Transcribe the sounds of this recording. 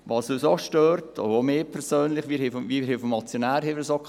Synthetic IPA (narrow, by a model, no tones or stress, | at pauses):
ʋɑːsøːsoʃtøːɾtʰɔ̰omeːpʰɛɾsøːnlɪχʋiːɾhɪfiːɾhɪfɔmɑt͡sjonæːɾhɪvsokʰ